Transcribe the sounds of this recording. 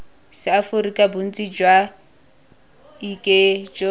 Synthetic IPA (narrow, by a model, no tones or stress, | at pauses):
sɪafʊrikʼabʊn̩t͡sʼid͡ʒwa | ikʼed͡ʒɔ